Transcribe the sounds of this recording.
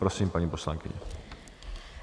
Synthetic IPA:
pɾosiːmpaɲiːpo̞slaŋkɪ̰ɲɛ̰

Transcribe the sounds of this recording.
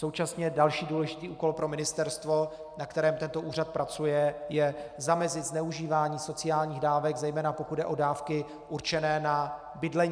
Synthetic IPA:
so̞wt͡ʃasɲɛdalʃiːduːlɛʒɪt̪iːʔuːko̞lpɾo̞mɪnɪst̪ɛɾst̪vo̞ | nakt̪ɛɾɛːmt̪ɛnt̪o̞ʔuːrat̪̚pɾʔat͡sujɛjɛzamɛzɪt̪znɛuʒiːvaːɲiːso̞t͡sɪjaːlɲiːɣdaːvɛɡzɛjmɛːnapo̞kud̪dɛʔo̞daːfkɪ | ʔuɾt͡ʃɛnɛːna | bɪdlɛɲ

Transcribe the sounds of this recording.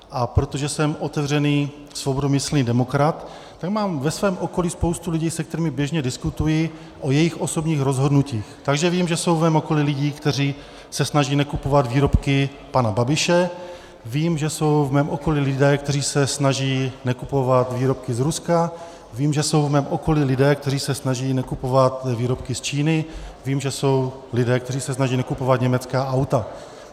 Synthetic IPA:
ʔapɾot̪o̞ʒɛsɛmʔo̞t̪ɛvr̝ɛniː | svo̞bodomɪslniːdɛmo̞kɾat̪ː | aɡmaːmvɛsvɛːmʔo̞ko̞liːspo̞wst̪ulɪɟiːsɛk̚t̪ɛɾiːmɪbjɛʒɲɛdɪskut̪ujɪ | ʔo̞jɛjɪxʔo̞so̞bɲiːxɾo̞zɦo̞dnuciːxt̪aɡʒɛviːmʒɛso̞wvmɛːmo̞ko̞lilɪɟiːkt̪ɛr̝iː | sɛsnaʒiːnɛkupo̞vad̪viːɾo̞pkɪ | panababɪʃɛ | viːmʒɛso̞wvmɛːmʔoko̞lilɪdɛːkt̪ɛriːsɛsnaʒiːnɛkupo̞vat̪viːɾo̞p̚kɪzɾuska | viːmʒɛso̞wvmɛːmʔo̞ko̞lilɪdɛːkt̪ɛr̝iːsɛsnaʒiːnɛkupo̞vat̪viːɾo̞pkɪst͡ʃiːnɪviːmʒɛso̞w | lɪdɛːk̚t̪ɛɾ̝iːsɛsnaʒiːnɛkupo̞vat̪ɲɛmɛt͡skaːʔawt̪a

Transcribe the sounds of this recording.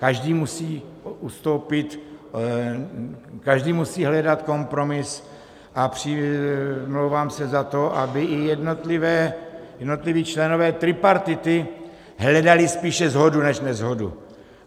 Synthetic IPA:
kaʒdiːmusiːust̪o̞wpɪt̪ | kaʒdiːmusiːɦlɛdat̪ko̞mpɾo̞mɪs | ʔapr̝̥ɪ | mlowvaːmsɛzat̪o̞ʔabɪʔɪjɛdnot̪lɪvɛːjɛdnot̪liviːt͡ʃlɛno̞vɛːt̪ɾɪpaɾt̪ɪt̪ɪ | ɦlɛdalɪspiːʃɛzɦo̞dunɛʃnɛzɦo̞dṵ

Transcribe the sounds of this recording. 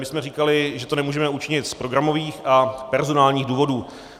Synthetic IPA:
mɪsmɛriːkalɪʒɛt̪onɛmuːʒɛmɛut͡ʃɪɲɪt̪spɾo̞ɡɾamo̞viːxʔapɛɾzo̞naːlɲiːɣduːvo̞duː

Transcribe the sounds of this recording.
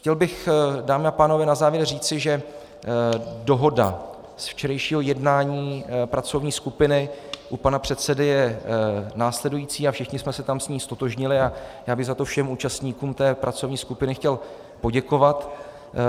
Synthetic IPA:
xcɛlbɪxdaːmɪapaːno̞vɛːnazaːvjɛɾriːt͡sɪʒɛ | do̞ɦo̞da̰ | sft͡ʃɛɾɛjʃiːɦo̞jɛdnaːɲiːpɾat͡so̞vɲiːskupɪnɪʔupanapr̝̥ɛt̪t͡sɛdɪjɛ | naːslɛdujiːt͡siːafʃɪxɲɪsmɛsɛt̪amsɲiːst̪o̞t̪o̞ʒɲɪlɪajaːbɪɣzat̪o̞fʃɛmuːt͡ʃast̪ɲiːkuːmt̪ɛːpɾʔat͡so̞vɲiːskupɪnɪxcɛl | po̞ɟɛko̞vat̪

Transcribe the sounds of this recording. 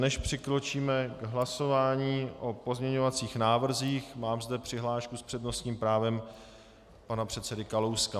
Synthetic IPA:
nɛʃpr̥ɪkɾo̞t͡ʃiːmɛɡɦlaso̞vaːɲiːʔo̞po̞zmɲɛɲo̞vat͡siːxnaːvr̩ziːxmaːmzdɛpr̥ɪɦlaːʃkuspr̥ɛdno̞st̪ɲiːmpɾaːvɛm | panapr̝̥ɛt̪sɛdɪkalowska

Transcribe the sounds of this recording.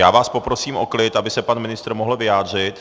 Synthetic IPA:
jaːvaːspo̞pɾo̞siːmʔo̰klɪt̪ʔabɪsɛpanmɪnɪst̪r̩moɦl̩vɪjaːd̪r̝ɪt̪

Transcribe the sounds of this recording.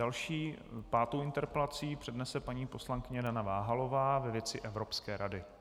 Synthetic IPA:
dalʃiːpaːt̪owɪnt̪ɛɾpɛlat͡siːpr̥ɛdnɛsɛpaɲiːpo̞slaŋkɪɲɛdanavaːɦalo̞vaːvɛvjɛt͡sɪʔɛvɾo̞pskɛːɾadɪ

